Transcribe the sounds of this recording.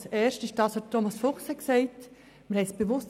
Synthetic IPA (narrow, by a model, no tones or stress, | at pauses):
sɛːɾʃtɪʃd̥ɑshotʰːomɑsfʊχshɛksɛɪt | məɾhɛsb̥evʊst